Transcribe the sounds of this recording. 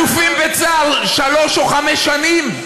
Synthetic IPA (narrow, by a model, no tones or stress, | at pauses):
ufimbet͡saalʃalo̞ʃoχamɛʃːanim